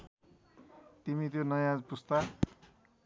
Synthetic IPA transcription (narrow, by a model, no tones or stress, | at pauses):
t̪imit̪̬jonʌjãd͡zpust̪ʌ